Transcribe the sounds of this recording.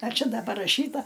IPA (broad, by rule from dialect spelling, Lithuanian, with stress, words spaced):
ɐr ˈt͡ʃʲɛ ˈdɐ pɐrɐˈʃʲiːtɐ